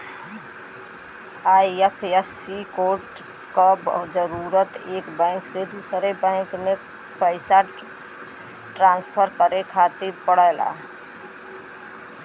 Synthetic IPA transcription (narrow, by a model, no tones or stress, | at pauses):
aːiepʰesikoːʈ | kabd͡ʒəɾuːɾət̪eːkbɛ̃ːŋksed̪uːsɾebɛ̃ːŋkmẽ | pəɪsa | ʈɾãːnspʰəɾkəɾekʰaːt̪iɾpəɽala̰ː